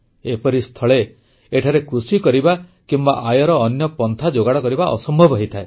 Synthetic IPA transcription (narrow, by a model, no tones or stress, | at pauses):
epɔɾist̪ʰɔɭe | eʈʰaɾekɾusikɔɾibakimbaʔajɔɾɔːnjɔpɔnt̪ʰad͡ʒoɡaɽɔkɔɾibaʔɔsɔmbʱɔbɔɦɔjt̪ʰae